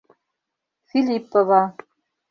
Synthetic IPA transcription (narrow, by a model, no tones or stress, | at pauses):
fʲilʲipːovɑ